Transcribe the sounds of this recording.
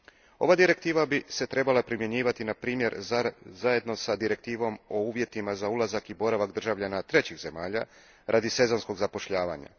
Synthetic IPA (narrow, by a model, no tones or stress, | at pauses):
o̞ʋaːd̪iɾe̞k̚t̪iːʋabise̞t̪ɾe̞balˠapɾimje̞ɲiːʋat̪inapɾiːmje̞ɾzaje̞d̪no̞sad̪iɾe̞k̚t̪iːʋo̞mo̞uːʋje̞t̪imazaulˠazakibo̞ɾaʋaɡd̪r̩ʒaʋʎanat̪ɾet͡ɕiɣze̞maːʎa | ɾʔad̪ise̞zo̞nsko̞ɡzapo̞ʃʎaːʋaːɲa̰